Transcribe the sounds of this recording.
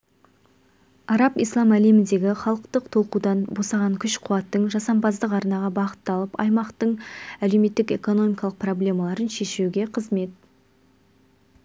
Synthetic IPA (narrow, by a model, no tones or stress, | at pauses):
ɑɾɑpḭjslˠɑmæle̞mɪnd̪e̞ɡʲɪχɑlˠəqt̪əqt̪ʰo̞lˠqud̪ɑnbo̞sɑʁɑŋkʲʰʏʃqʰʊwɑt̪ːəɴʒɑsɑmpɑzd̪əqɑɾnɑʁɑbɑqə̥t̪ːɑlˠəpɑ̰jmɑqt̪əɴælewme̞t̪ːɪke̞̰ko̞no̞mijkɑlˠəq̚pro̞blʲe̞mɑlˠɑɾənʃe̞ʃewɡʲe̞qʰəzme̞t̪̚